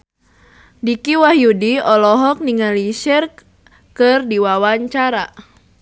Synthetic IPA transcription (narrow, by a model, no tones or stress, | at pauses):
dikiwahjudiɔlɔɦɔk̚niŋaliʃɛr | kɨrdiwawaɲt͡ʃaɾa